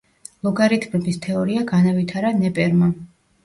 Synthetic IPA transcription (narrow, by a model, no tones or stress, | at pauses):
lˠɔɡaɾit̪ʰmɛbist̪ʰɛɔɾiaɡanavit̪ʰaɾanɛpʼɛɾma